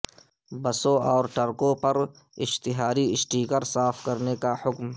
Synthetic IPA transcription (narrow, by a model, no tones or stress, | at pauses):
bɐsõɔːɾʈəɾkõpɐɾ | ɪʃt̪ɪɦaːɾiɪsʈiːkəɾsaːfkɐɾnekahʊkm